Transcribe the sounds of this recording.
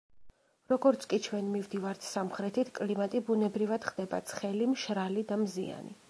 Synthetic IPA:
ɾɔɡɔɾt̪sʰkʼit͡ʃʰwɛnmivd̪ivaɾt̪ʰsamχɾɛt̪ʰit̪ʰkʼlimat̪ʼibunɛbɾivad̪̥χd̪ɛba̰t̪sʰχɛlimʃɾalid̪amzḭa̰nḭ

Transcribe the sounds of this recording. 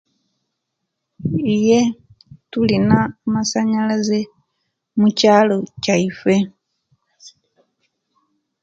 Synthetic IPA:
ije̞ | tulinamasaɲalaze | mucaːlo̞caife̞

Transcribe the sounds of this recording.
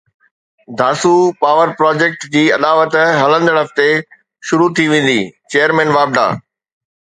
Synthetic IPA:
d̪ʱaːsupaːʋəɾpɾɔːd͡ʑeːk̚ʈd͡ʑiːɐd̪aːʋət̪ɦɐlə̃nd̪ɽɐft̪e | ʃʊɾut̪ʰiʋẽːn̆d̪it͡ɕeːəɾmɛ̃ːnʋaːb̚ɖa̰ː

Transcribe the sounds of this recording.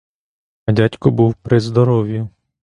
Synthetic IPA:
ɐdʲatʲkɔbuwpɾɪzd̪ɔɾɔʋʲjʊ

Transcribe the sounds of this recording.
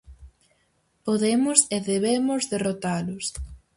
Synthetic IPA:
poðemʊseðeβemʊzðerot̪alʊs

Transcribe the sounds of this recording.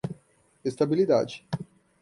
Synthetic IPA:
est̪abilit̪a̰ːt͡ʃi̥

